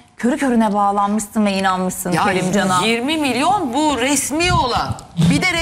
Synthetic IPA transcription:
cʰøɾycʰø̞ɾynɛbaːlˠanmɯʃt̪ɯnvɛinanmɯʃsɯnelʲimd͡ʒanajiɾmimilʲjo̞nbuɾɛsmiːolˠanbid̪ɛɾ

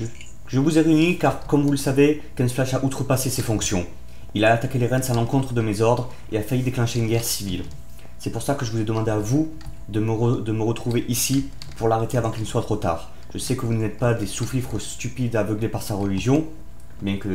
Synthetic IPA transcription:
ʒəvuzeʁeynikaʁkɔmvuləsave | kɛ̃nflaʃaʔut̪χəpasesefɔ̃ksjɔ̃ | ilaːt̪akʲeleʁɛ̃d̪salɑ̃kɔ̃t̪χəd̪əmezɔʁd̪ʁ | eafajid̪eklɑ̃ʃeynɡʲɛʁsivil | sɛpuʁsakəʒəvuzɛd̪əmɑ̃d̪eavu | d̪əməʁd̪əməʁət̪χuveʔisi | puʁlaʁet̪eavɑ̃kʲilnəswat̪χot̪a̰ːʁ | ʒ̥əsɛkəvunːɛt̪̚pad̪esuflifχəst̪ypid̪avəɡlepaʁsaʁəliʒjɔ̃ | bjɛ̃kə

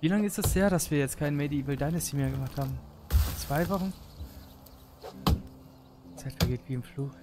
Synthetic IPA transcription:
viːlaŋəɪstɛsd̥eːɐɾasv̥iːɐjɛt͡stkʰaɪnmediːvɪldaɪnəsimeːɐɡəmaχthaːbm̩ft͡sv̥aɪvɔχn̩ | t͡saɪtʁ̥aɡeːtv̥iːɪmfluːk

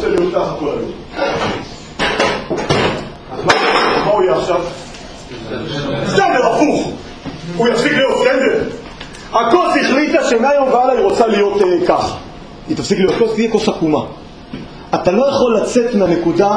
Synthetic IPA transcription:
selijot̪̚kaχakolajo | azmaamaujeaχʃav | kenzeʁafuχ | ujafsiklijot̪kenze | ako̞lziχlit̪aʃemeajomvealaiʁo̞t͡salijo̞tekaχ | it̪afsiklijo̞t̪̚kostijekofakuma | at̪alo̞jaχo̞lːat͡set̪meane̞kuda

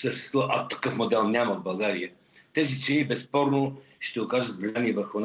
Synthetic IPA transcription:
səʃt̪ɛ̥st̪vuvəʔɐot̪ɐ̥kɤfmod̪ɛlˠnʲjaməvbɐlˠɡaɾiə | t̪ɛzit̪sɛnibɛspɔɾno | ʃt̪ɛʊkaʒət̪vlɛmiɛvəɾxʊn

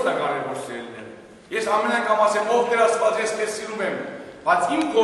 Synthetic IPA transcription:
nɑkɑɾɛvɔɾsɛlɛ | jɛsɑmɛnɑkʰɑmɑsɛmɔvk̪ʰəɾɑt͡svɑt͡sjɛst̪ɛssiɾumɛmb̥ɑt͡sʰimkɔ

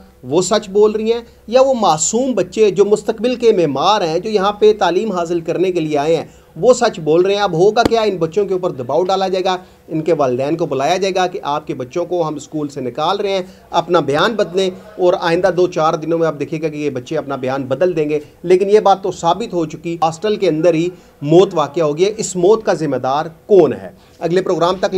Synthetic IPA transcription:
ʋosɐt͡ʃboːlɾəiɦɛ̃ː | jaʋomaːsuːmbɐtːʃed͡ʒoːmʊst̪əkbɪlkemɛːɦmaːɾɦɛ̃d͡ʒoːjɐɦãpet̪aːliːmɦaːs̬ɪlkɐɾnekelieaːẽɦɛ̃ː | ʋosɐt͡ʃboːlɾəɦẽɛ̃ɐbɦoːɡakjaɪnbɐtːʃõkeʊpəɾd̪ɐbaːoɖaːlad͡ʒaːeːɡa | ɪnkeʋaːlɪd̪ɛːnkobʊlaːjad͡ʒaːeːɡakeʔaːp̚kebɐtːʃõkoɦɐmɪskuːlsenɪkaːlɾəɦẽɦɛ̃ː | ɐpnabɐjaːnbɐd̪lẽɔːɾa̰ːɪ̃nd̪ad̪oːt͡ʃaːɾd̪ɪnõmẽɐb̚d̪eːkʰeɡakejebɐtːʃeɐpnabɪjaːnbɐd̪əld̪ẽːŋɡe | leːkɪnjebaːt̪ːosaːbɪt̪ɦot͡ʃʊkiaːsʈəlkeɐ̃nd̪əɾɦi | mɔːt̪ʋaːkjaɦoːɡiɛʔɪsmɔːt̪kazɪmːed̪aːɾkɔːnɦɛ̰ː | ɐɡlepɾoːɡɾaːmt̪ɐk

